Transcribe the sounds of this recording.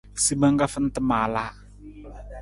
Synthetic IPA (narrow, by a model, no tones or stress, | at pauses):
sibaŋkafənt̪əmala